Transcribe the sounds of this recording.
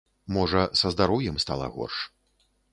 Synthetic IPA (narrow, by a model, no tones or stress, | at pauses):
mɔʐɐsɐzd̪aɾɔwjɛmst̪alˠɐ̰ɣɔ̰rʂ